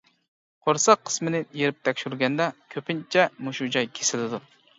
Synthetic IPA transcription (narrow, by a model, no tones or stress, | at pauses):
qʰoɾsɑqʰːə̥smɨnɪjeɾɪp̚t̪ʰɛkʲʃyɾɡʲɛnd̪ɛkʲʰøpʰɪnt͡ʃʰɛmuʃud͡ʒɑjkʲʰe̥sɪlɪd̪u